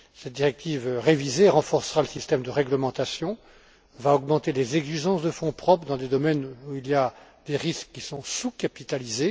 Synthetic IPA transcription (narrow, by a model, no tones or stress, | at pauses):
sɛt̪̚d̪iʁɛk̚t̪ʰivʁevizeʁɑ̃fɔʁsəʁaləsist̪ɛmd̪əʁɛɡləmɑ̃t̪asjɔ̃ | vaɔɡmɑ̃t̪elezɛɡziʒɑ̃sd̪əfɔ̃pχɔpχd̪ɑ̃d̪ed̪ɔmɛnuiljad̪eʁiskːisɔ̃sukapit̪alize